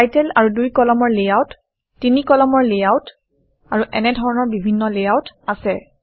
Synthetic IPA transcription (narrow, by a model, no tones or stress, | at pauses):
ajtɛla̰ɹudujkɔlɔmɔɹlejawtː | inikɔlɔmɔɹlejawt | aɹuʔɛnɛdʱɔɹɔnɔɹbibʱinːɔlejawtasɛ